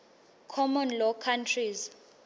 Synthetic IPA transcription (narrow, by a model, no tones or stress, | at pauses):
kʰɔmɔnlɔkʰantʰriz